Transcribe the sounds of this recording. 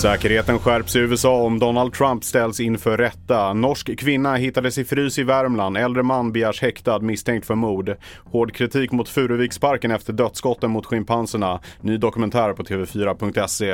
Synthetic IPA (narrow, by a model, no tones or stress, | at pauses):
sɛːkəɾheːt̪ənɧæɾpsɪʉ̟ːɛsɑːɔmd̪ɔnald̪̚t̪ʰɾampst̪ɛlsɪnfœɾːɛt̪ːanɔʂkkʰːvɪnːaɦɪt̪ːad̪əsɛjfɾyːsɪvæɾmlanɛld̪ɾəmanːbɪjæːʂhɛkt̪ad̪mɪst̪ʰɛŋkt̪fœɾmuːɖ | hoːɖkʰɾɪt̪ʰiːkmʊt̪fʉ̟ːɾəviːkspaɾkənɛft̪əɖœt̪skɔt̪ːənmʊt̪ɧɪmpʰansəɳanyːd̪ɔkɵmɛnt̪ʰæːɾpʰɔt̪ʰeːvɛfyːɾapɵŋk̚t̪ɛseː